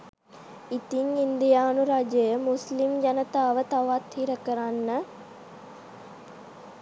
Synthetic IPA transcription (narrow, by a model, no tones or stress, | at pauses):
it̪iŋind̪ijaːnuɾad͡ʒəjəmuslimd͡ʒanət̪aːʋət̪aʋat̪hiɾəkəɾanːə